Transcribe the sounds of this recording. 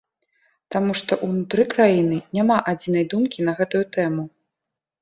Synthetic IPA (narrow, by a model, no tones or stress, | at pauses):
t̪amuʂt̪ɔʔunut̪ɾɨkɾajinɨnʲamaʔad͡zʲinɐjd̪umkʲinɐɣɛt̪ujut̪ɛmu